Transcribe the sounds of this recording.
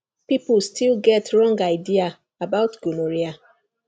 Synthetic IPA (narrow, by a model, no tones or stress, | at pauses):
piplstʰilɡɛtʰɹɔ̃ŋɡaɪdia | abaʊtɡ̥unoɹia